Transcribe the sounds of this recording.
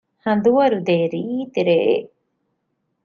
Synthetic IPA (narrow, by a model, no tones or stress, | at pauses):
hɐ̃nd̪uwaɾud̪eɾit̪iɾeʔḛ